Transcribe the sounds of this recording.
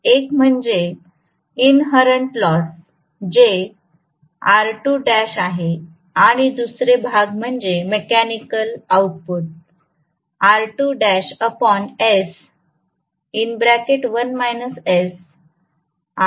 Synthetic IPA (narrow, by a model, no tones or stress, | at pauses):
ekm̤əɳd͡ʑe | inɦəɾəɳʈlɔs | d͡ʑe | aɾʈuɖæɕaɦe | aɽ̃id̪usɾebʱaɡm̤əɳd͡ʑemekænikəlawʈ̚put̪̚ | aɾʈuɖæɕəpɔnes | inbɾækeʈʋənmajnəsɛs